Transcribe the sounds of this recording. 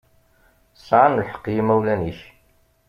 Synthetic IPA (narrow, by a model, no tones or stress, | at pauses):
sʕanlħə̥qːjimæwlæniç